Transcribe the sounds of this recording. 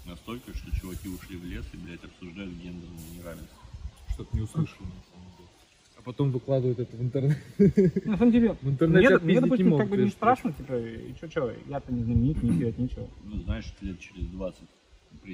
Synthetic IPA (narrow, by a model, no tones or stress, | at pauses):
nɐst̪olʲkəʂt̪o̞t͡ɕʊvɐkʲiʊʂlʲivlʲesɪbʲɾʲætʲɐpsʊʐd̪ajʊt̪ɡʲend̪ərnʊnʲɪɾalʲnəsʲtʲɪʂt̪ot̪nʲɪʊslˠɨʂɨlˠnɐsaməmdʲelʲɪ | ɐpɐt̪o̞mvɨklˠad̪ɨvəjʊt̪ɛt̪əvɨnt̪ɨrnɛt̪nɐsaməmdʲelʲɪvɨnt̪ɨrnɛemʲied̪ɐɪpusʲnʲɪmokaɡbɨenɪst̪ɾaʂɨnətʲipəḭt͡ɕot͡ɕjat̪ənʲɪznəmʲɪnʲit̪ʲnʲɪzʲdʲelˠət̪nʲet͡ɕɪvənuznaɪʂt̪lʲet̪̚t͡ɕɪɾʲɪzd̪vat̪sət̚ʲ | pɾʲɪ